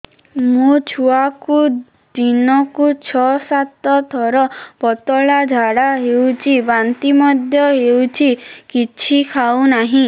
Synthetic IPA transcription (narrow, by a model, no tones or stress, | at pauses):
mũt͡ʃʰuaku | d̪inɔkut͡ʃʰɔsat̪ɔt̪ʰɔɾɔbɔt̪ɔɭad͡ʒʱaɽaɦewt͡ʃʰibant̪imɔd̪ʱjɔɦewt͡ʃʰikit͡ʃʰikʰawnaɦĩ